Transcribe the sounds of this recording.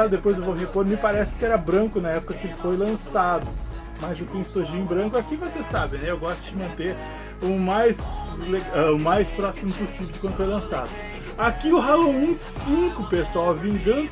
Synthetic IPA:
ad̪epojzewvowɦepoɾmɪpaɾɛsɪ̥kɪɛɾɐbɾɐ̃kʊnɐɛpʊ̥kɐkɪelɪfojlɐ̃sad̪ʊ | mɐzewt̪ẽj̃st̪oʒĩbɾɐ̃ŋkʊakivosesabẽnɛewɡɔst̪ʊd͡ʒɪmɐ̃nt̪eɾ | ʊmajzleɡaʊmajspɾɔsimʊpusivewd͡ʒɪkwɐ̃d̪ʊfojlɐ̃sad̪ʊ | akiʊɦalõw̃ĩsĩkʊpesawɐvĩɡɐ̃s

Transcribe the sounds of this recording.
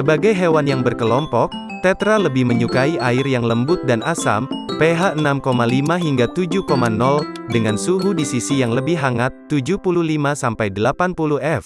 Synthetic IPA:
səbaɡajɦewanjaŋbərkəlɔmpɔk̚ | t̪ɛt̪ɾaləbɪhməɲukaiʔaɪrjaŋləmbʊt̪̚danʔasa̰mpeɦaʔənamkomalimaɦiŋɡat̪ud͡ʒukomanɔl | dəŋansuɦudisisijaŋləbɪɦaŋat̪ːud͡ʒupuluhlimasampajdəlapanpuluɛf

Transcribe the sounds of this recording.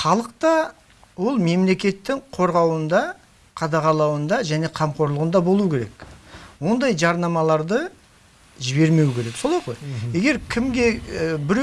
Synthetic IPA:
χɑlˠəq̚t̪ɑ | wo̞lˠme̞mle̞kʲe̞t̪ːɪŋqʰo̞ɾʁɑwənd̪ɑ | qʰɑd̪ɑʁɑlˠɑwənd̪ɑʒæne̞qʰɑmqʰo̞ɾlˠəʁənd̪ɑbolˠuəkʲeɾe̞̰kwo̞nd̪ɑjʒɑɾnɑmɑlˠɑɾd̪ə | ʒɪbe̞ɾme̞wɪkʲeɾe̞kso̞lˠɑjʁo̞jje̞ɡʲe̞ɾkʲʰɪmɡʲe̞bɪɾ

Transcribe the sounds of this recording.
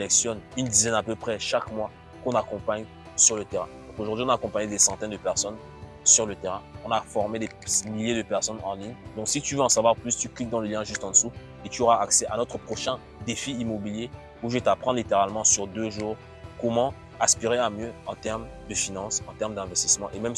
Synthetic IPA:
selɛksjɔnynd̪izɛnapøpχɛʃakmwa | kɔ̃nakɔ̃paɲ | syʁlət̪eʁɛ̃d̪ɔ̃koʒuʁd̪ɥĩɔ̃naːkɔ̃paɲed̪esɑ̃t̪ɛnd̪əpɛʁsɔn | syʁlət̪eʁɛ̃ɔ̃nafɔʁmed̪e | miljed̪əpɛʁsɔnɑ̃liɲd̪ɔ̃ksit̪yvøɑ̃savwaʁplyst̪yklik̚d̪ɑ̃ləljɛ̃ʒyst̪ɑ̃d̪əsu | et̪yoʁaaksɛʔanɔt̪χəpχɔʃɛ̃ | d̪efiimɔbilje | uʒet̪apχɑ̃lit̪eʁalmɑ̃syʁd̪øʒuːʁ | kɔmɑ̃ | aspiʁeamjøɑ̃t̪ɛʁmd̪əfinɑ̃sɑ̃t̪ɛʁmd̪ɛ̃vɛst̪ismɑ̃ʔemɛm

